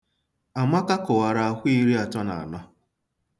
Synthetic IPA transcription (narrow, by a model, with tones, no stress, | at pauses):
a˨ma˦ka˦kʊ˨wa˨ɾa˦a˦xʷi˦ɾi˦a˨tɔ˦na̰˨nɔ˦